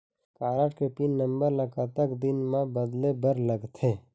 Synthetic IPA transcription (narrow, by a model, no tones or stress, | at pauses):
kaːɾəʈkepinːəmbəɾləkat̪əkd̪ɪnmãbəd̪lebəɾləɡt̪ʰeː